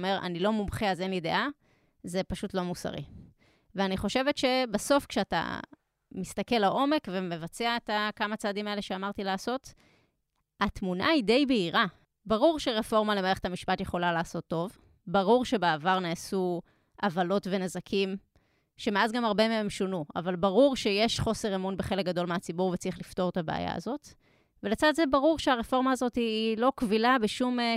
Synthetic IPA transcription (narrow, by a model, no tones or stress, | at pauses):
meʁʔa̰nilo̞mumχeazenlide̞̰ʔa | ze̞paʃutlo̞musa̰ʁḭ | veaniχo̞ʃe̞vetʃe̞baso̞fkʃeata̰ | mist̪ake̞laʔo̞me̞kve̞me̞vat͡seaet̪akamat͡saːdimae̞le̞ʃeamaʁt̪ilaːso̞t | atmuna̰ide̞jbeiʁa | baʁuʁʃeʁefo̞ʁmalemaʁeetamiʃpatje̞χo̞lalaːso̞t̪ːo̞v | baʁuʁʃe̞beavaʁnaːsu | ʔavalo̞tve̞nazakʰim | ʃe̞meazɡamaʁbemeemʃonua̰valbaʁuʁʃe̞je̞ʃχo̞se̞ʁemunbeχe̞lek̚ɡado̞lmeat͡sibuʁvet͡siχlifto̞ʁet̪abḛa̰ja̰a̰zo̞t | ve̞let͡sadzebaʁuʁʃeaʁefo̞ʁmaːzo̞tiːlo̞kvilabeʃum